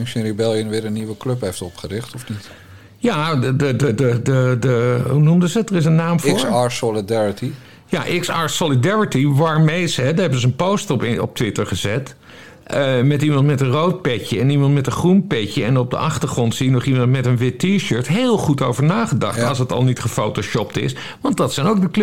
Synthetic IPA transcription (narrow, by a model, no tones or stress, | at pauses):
sɪnɾibɛlˠjənʋɪːɾənːiʋəklɵpɦejftɔpχəɾɪχtɔfnit | jadədədədədəɦunumdəzədərɪs̬ənːaːmfʊːɹaɹsɔlidɛɹiti | jaʔɪksaːɹsolidɛɹitiʋaːɹmejsɦɛdəɦɛbəzənpowstɔpɔ̰p̚tʋɪtəɹχəzɛt | əmɛtimɑntmɛtənrowt̚pɛcəɛnimɑntmɛtəχrumpɛcəɛnɔb̚də̰ʔɑχtəɹχrɔntsijənɔχimɑntmɛtənʋɪttiɹʃøːɹtɦeːlˠχutowvəɹnaːχədɑ̰χtɑ̰lˠsətɑ̰lˠnitχəfowtoʃɔp̚tɪ̰s | ʋɑndɑtsɛjnowk̚dəkl